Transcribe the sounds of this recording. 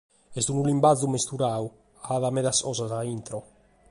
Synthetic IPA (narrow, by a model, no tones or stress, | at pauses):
ɛst̪unulimbad̪zumest̪uɾaw | aaðamɛðasɔzazaint̪ɾɔ